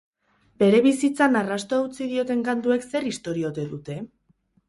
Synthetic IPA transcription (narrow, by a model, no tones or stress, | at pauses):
be̞ɾe̞βisit͡sanarast̪oaut͡siðio̞t̪e̞ŋkant̪ue̞kse̞rist̪o̞ɾio̞t̪e̞ðut̪e̞